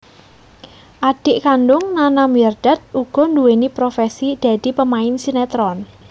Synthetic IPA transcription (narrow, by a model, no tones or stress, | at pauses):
ʔaɖ̥ɪʔkanɖʊŋnanamiɛrd̥ɛ̤t̪̚ʔuɡ̥ɔ̤nduwenipɾofɛsid̪̥a̤d̪̥i̤pəmaɪnsinɛt̪ɾɔn